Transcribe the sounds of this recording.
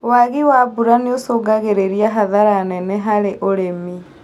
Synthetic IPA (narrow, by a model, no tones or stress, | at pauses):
waɣiwaːbuɾaneosoːɡaɣeɾeɾiaɦaðaɾaːnɛnɛɦaɾeʔoɾemi